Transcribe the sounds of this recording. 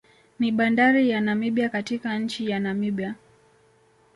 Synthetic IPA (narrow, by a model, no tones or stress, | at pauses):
niɓandaɾijanamiɓiakatikaɲ̩t͡ʃijanamiɓja